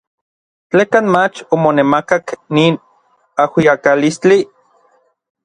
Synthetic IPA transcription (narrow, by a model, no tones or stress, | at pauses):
t͡ɬeːkanmat͡ʃomonemakakniːn | ahwiakalist͡ɬi